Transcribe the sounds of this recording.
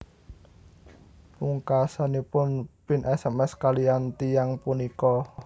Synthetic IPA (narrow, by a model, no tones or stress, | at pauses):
muŋkasanipʊnpɪnʔɛsɛmɛskalijant̪ijaŋpunikɔ